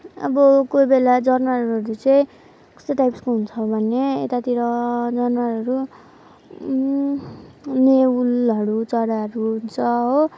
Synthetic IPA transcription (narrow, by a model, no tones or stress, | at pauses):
ʌ̰bʌkojbelad͡zʌrnalɦʌɾut͡sʌĩ | kʌ̥st̪ʌʈajpskoɦunt͡sʰʌbʱʌnːeḛt̪at̪iɾʌd͡zʌrnalʌɾu | neulɦʌɽut͡sʌɽaɦʌɾuɦunt͡sʰʌɦo